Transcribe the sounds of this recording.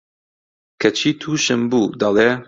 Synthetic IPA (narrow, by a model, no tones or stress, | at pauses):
kʰɐt͡ʃʰiːt̪ʰuːʃɨmbuːd̪ɑle